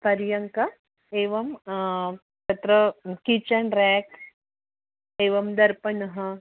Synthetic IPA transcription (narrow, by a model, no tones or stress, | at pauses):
pɐɾjɐŋkɐ | eːʋɐm | t̪ɐt̪ɾɐkit͡ʃɐɳɖɾaːk | eːʋɐmd̪ɐɾpɐnɐɦɐ̆